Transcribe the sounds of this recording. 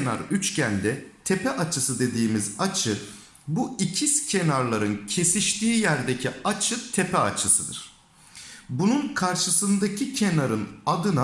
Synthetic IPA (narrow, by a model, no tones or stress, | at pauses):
na̰ɾyt͡ʃcʰænd̪ɛt̪ʰe̞pɛʔat͡ʃʰɯsɯd̪e̞d̪iːmizat͡ʃʰɯ | buicʰiscʰe̞naɾlˠaɾɯncʰe̞siʃt̪ʰiːjæɾd̪ecʰiat͡ʃʰɯt̪ʰe̞pɛat͡ʃʰɯsɯd̪ɯ̰ɾ̥ | bununkʰaɾʃɯsɯnd̪acʰicʰe̞naɾɯnad̪ɯna